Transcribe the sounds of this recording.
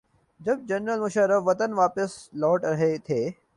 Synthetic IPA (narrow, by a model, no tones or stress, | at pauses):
d͡ʒɐb̚d͡ʒɐnɾəlmʊʃəɾəfʋɐt̪ənʋaːpɪslɔːʈɾɐɦet̪ʰeː